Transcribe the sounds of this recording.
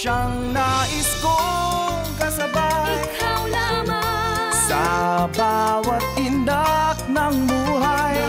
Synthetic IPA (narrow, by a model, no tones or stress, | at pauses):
ʃaŋ | nɐʔɪsko | kɐsɐba | awlama | sɐbawɐt̪̚ɪnd̪ak̚nɐŋbuːɦaj